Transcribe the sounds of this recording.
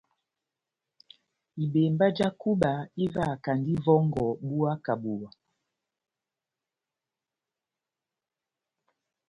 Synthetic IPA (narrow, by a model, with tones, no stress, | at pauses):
i˨be˨mba˦d͡ʒa˦ku˦ɓa˨i˦va˦˨ka˨ndi˦vɔ˦ŋɡɔ˨ɓu˦a˦ka˨bu˨wa˨